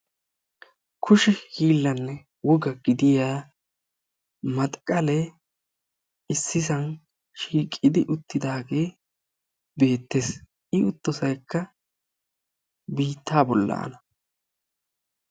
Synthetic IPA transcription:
kʰʊʃɪhiːlːɐnːɛ | wɔɡɐɡɪd̪ɪjaː | mɐt̪ʼkʼːɐle | ɪsːɪsɐn | ʃiːkʼːɪd̪ɪʔʊt̪ːɪd̪aːɡe̞ː | be̞ːt̪ːe̞s | ʔɪʊt̪ːɔsɐjkːɐ | biːt̪ːaːbɔlːɐ̰ːnɐ

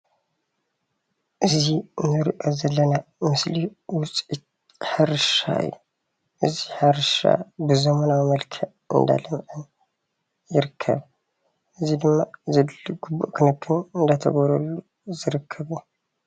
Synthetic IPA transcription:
ʔɨzinɨɾʔozɐlːɐnamɨsliwʊt͡sʼit̪̚ | ħaɾɨʃa̰ɨ̰jːu | ʔɨziħɨɾɨʃa̰bɨzɐmɐnawmɐlkʰɐʔ | ɨ̰nd̪a̰lɐmʔɨn | jɪɾɨkʰːɐ̰β | ʔɨzid̪ɨmːazɐɡ̥ubṵʔkʰɨnɨkʰːɨnɨnd̪at̪ʰɐ̰ɡɐɾɐlːu | zɨɾɨkʰːɐβu

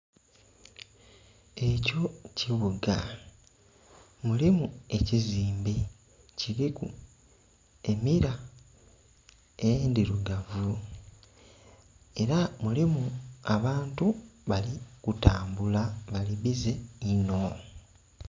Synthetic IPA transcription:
e̞co̞ciβuɡa | mulimue̞ciziːmbe̞ | ciɾikṵ | e̞miɾa | ejendiɾuɡavu | e̞ɾamulimuaβaːntuβalikutaːmbulaβaliβize̞ino̞

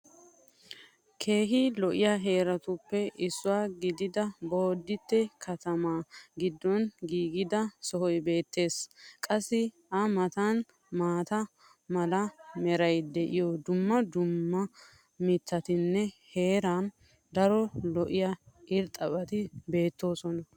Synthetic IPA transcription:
kʰe̞ːɦɪlɔʔɪjaɦe̞ːɾɐt̪ʊpːɛʔɪsːʊwaːɡɪd̪ɪd̪ɐbo̞ːd̪ːɪt̪ːɛkʰɐt̪ɐmaːɡɪd̪ːɔnɡiːɡɪd̪ɐsɔhɔjbe̞ːt̪ːe̞ːskʼɐsːɪ | ɐmɐt̪ɐn | maːt̪ɐ | mɐlɐmɛɾɐjd̪ɛʔɪjɔd̪ʊmːɐd̪ʊmːɐ | mɪt̪ʰːɐt̪ɪnːɛhe̞ːɾɐn | d̪ɐɾɔlɔʔɪjɐɪɾt̪ʼɐpʼɐt̪ɪbe̞ːt̪ːo̞ːsɔnɐ

